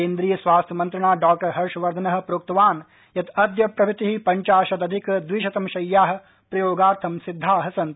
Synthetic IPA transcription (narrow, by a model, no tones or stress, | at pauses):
ẽːnd̪ɾiːjɐsʋaːst̪ʰjɐmɐ̃nt̪ɾɐɳaːɖaːk̚ʈɐɾɦɐɾʃɐʋɐɾd̪ʱɐnɐɦɐ̆pɾoːk̚t̪ɐʋaːn | jɐt̪ɐd̪jɐpɾɐbit̪iɦipɐɲt͡ʃaːʃɐd̪ɐd̪ʱikd̪ʋiʃɐt̪ɐmʃɐjːaːɦɐ̆ | pɾɐjoːɡaːɾt̪ʰɐmsɪd̪ʱːaːɦɐsɐ̃nt̪